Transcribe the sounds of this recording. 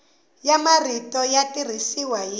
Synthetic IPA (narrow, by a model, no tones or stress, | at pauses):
jamaritɔjatir̤isiwaji